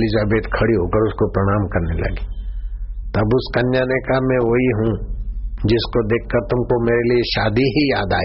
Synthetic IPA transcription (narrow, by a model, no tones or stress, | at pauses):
lizaːbeːt̪kʰɐɽiɦoːkɐɾʊskopɾɐɽ̃aːmkɐɾnelɐ̰ɡi̥ː | t̪ɐbʊskɐnjanekaɦmɛ̃ʋoɦiɦũ | d͡ʒɪskod̪eːkʰːɐɾt̪ʊmkomeːɾelieʃaːd̪iɦijaːd̪a̰ːi